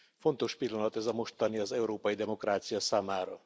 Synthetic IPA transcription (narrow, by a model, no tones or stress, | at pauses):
fo̞nt̪o̞ʃpilːɒnɒt̪ɛzɒmo̞ʃt̪ɒniɒzɛuɾoːpɒjid̪ɛmo̞kraːt̪sijɒsaːmaːɾɒ